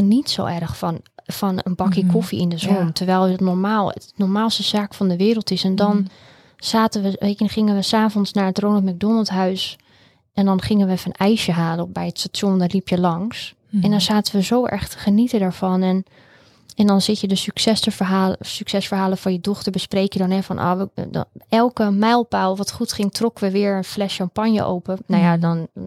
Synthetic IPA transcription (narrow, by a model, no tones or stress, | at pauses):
nitso̰ːʔɛrxfɔnfɔnənbɑkjəkʰofiɪndəzontʰəɹʋɛjlˠtnɔɹmaːlˠənɔɹmaːlˠstəz̥aːkfɔndəʋɪːɾəlˠtɪsɛndɔn | z̥aːtənʋəʋeəχɪŋənʋəsaːvɔnsnaɹətroːnəlˠtmaɡ̚donəlˠtɦœɥs | ʔɛndɔnχɪŋənʋəfɔnɛjʃjəɦaːləɔbɛjətstatjondɔlipʰjəlɑŋs | ɛndɔnz̥aːtənʋəzowʔɛ̰χtə̥χənitədaːɹv̥ɔnɛn | ɛndɔnsɪtjədəsyksɛsəɦasyksɛsfəɹɦaːləfɔnjədɔχtəɹbəspreːkjədɔnɛfɔnʔɔ̰ːə̰ɛlˠkəmɛjlˠpaːlˠʋɔtχutχɪŋtʰrɔkəʋəʋɪːəɹənflɛsʃɔmpanjə̰ʔo̰wpənajadɔn